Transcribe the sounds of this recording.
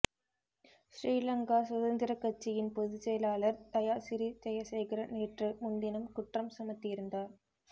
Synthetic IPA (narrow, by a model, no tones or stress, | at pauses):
sɾiːlɐŋɡaːsʊðɐnd̪ɪɾɐkːɐt͡ʃːɪjɪnpɔðɯt͡ʃːɛjlaːlɐɾt̪ɐjaːsɪɾit̪ɛjɐsɛjɣɪɾɐneːʈrɯmʊɳd̪ɪnɐmkʊʈrɐmsɐmɐt̪ːɪjɪɾɯnd̪aːɾ